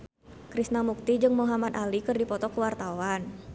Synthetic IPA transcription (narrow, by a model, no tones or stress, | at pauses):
kɾisnamuk̚t̪id͡ʒɨŋmuɦamat̪alikɨrdipɔt̪ɔkəwart̪awan